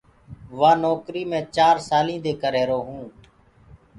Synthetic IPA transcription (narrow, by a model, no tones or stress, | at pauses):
ʋãːnɔːkɾiːmẽːt͡ʃaːɾsaːlĩːd̪eːkəɾeːɾoːɦũː